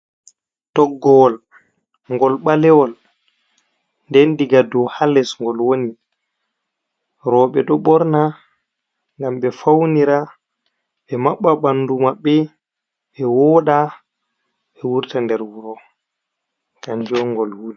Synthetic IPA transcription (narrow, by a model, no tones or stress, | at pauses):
tɔɡːɔwɔl | ŋɡɔlɓalɛwɔl | ndɛndiɡadɔhalɛsŋɡɔlwoni | ɾɔɓɛɗɔɓɔɾna | ŋɡamɓɛfawniɾa | ɓɛmaɓːaɓandumaɓːɛ | ɓɛwɔɗa | ɓɛwuɾtandɛɾwuɾɔ | kaɲd͡ʒɔŋɡɔlwuli